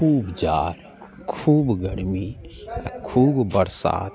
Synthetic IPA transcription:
uːbd͡ʒaːɾ | kʰuːbɡəɽmi | kʰuːbbəɾsa̰ːt̪

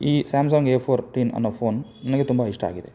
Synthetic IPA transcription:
iːsaːmsaːŋɡeːpʰoːɾʈiːnɐ̰nːoʋpʰoːnnɐnɐɡet̪umbɐɦiʂʈɐa̰ːɡid̪ḛ

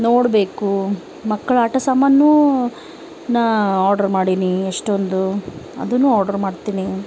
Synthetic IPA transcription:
noːɽbe̞ːku | mɐkːɐɭaʈɐsɐmːɐnːuː | naːaːɾɖɐɾmaːɽinieʂʈond̪uɐ̰d̪ɐnːuːaːɾɖɐɾmaːɖt̪iːni

